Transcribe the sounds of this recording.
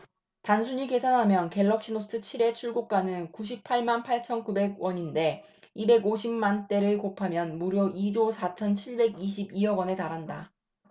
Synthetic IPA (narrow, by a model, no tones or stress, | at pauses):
tansʰuɲike̞sʰanɦamjʌnke̞ɭːʌk̚ɕ͈inos͈ɯt͡ɕʰiɾe̞t͡ɕʰuɭɡok͈̚anɯnkuɕ̬ʰipʰːaɭmanpʰaɭt͡ɕʰʌnkube̞ɡwʌɲinde̞ | ibe̞ɡoɕʰimmant͈e̞ɾɯɭkopʰamjʌnmuɾjoʔid͡ʑosʰat͡ɕʰʌnt͡ɕʰiɭbe̞ɡiɕʰibiʌɡwʌne̞taɾɦanda